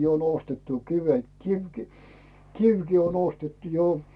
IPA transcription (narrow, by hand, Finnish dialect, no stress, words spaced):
jo on ostetːu kiʋet kiʋki kiʋki on ostetːu jo